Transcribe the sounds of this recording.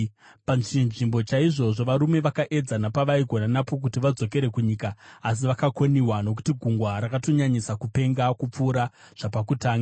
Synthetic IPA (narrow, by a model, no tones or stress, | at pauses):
panʐinʐimbo̞t͡ʃaiʐo̞ʐo̞ʋaɾume̞ʋakaʔe̞d͡zanapaʋaiɡʱo̞nanapo̞k̬utiʋad͡zo̞ke̞ɾe̞kuɲiːkaːs̬iʋakako̞niwano̞k̬u̥tiɡʱuŋɡwaɾakato̞ɲaɲisakupe̞ŋɡakup͡fuːɾa | ʐ̥apakutaːŋɡa